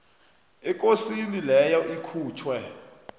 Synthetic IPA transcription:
ɛk̬ʼosinilɛjɔʔikʰuːtʰwɛ

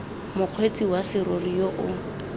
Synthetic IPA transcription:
mʊq͡χʰwet͡sʼiwasɪɾorijoʔʊ

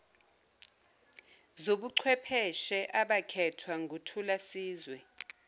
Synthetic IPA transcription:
zoɓuǀʰwɛpʰɛʃɛʔaɓakʰɛtʰwaŋɡʱutʰulasiːzwɛ

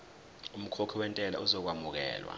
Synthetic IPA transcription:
um̩kʰɔkʰɔwɛntʼɛla̰ʔuzɔk̬wamuk̬ɛ̰ːlwa̰

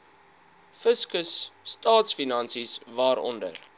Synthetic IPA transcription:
fəskəsːtɑːtsfinɐnsisvɑːɾɔ̰ndə̰r

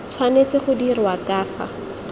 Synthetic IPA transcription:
t͡sʰwanet͡sɪχʊdirɪwakaːfa̰

